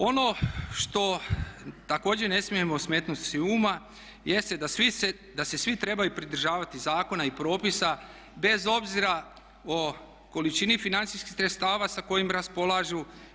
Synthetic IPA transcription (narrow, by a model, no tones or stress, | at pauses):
o̞no̞ʃt̪o̞ | t̪ako̞ːd͡ʑene̞smije̞mo̞sme̞ːt̪nut̪siuːma | je̞st̪ed̪asise | d̪ase̞sʋit̪ɾe̞bajupɾid̪ɾ̩ʒaːʋat̪izaːko̞naipɾo̞ːpisa | be̞zo̞bziɾa | o | ko̞lit͡ʃinifinant̪siskixsɾet̪st̪aːʋasako̞jimɾaspo̞lˠaʒu